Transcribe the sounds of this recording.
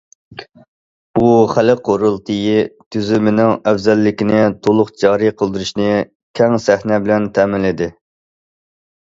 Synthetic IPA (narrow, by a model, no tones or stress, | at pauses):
buχælɪqʰoɾɨlˠt̪ʰɨjit̪ʰyzymɪnɪŋɛfzɛlːɪkʲinɪt̪ʰolˠʊqd͡ʒɑːɾijqʰəlˠd̪ɨɾuʃnɪ | kʲʰɛŋsæhnɛbɪlɛnt̪ʰɛːmɪlːɪd̪ɪ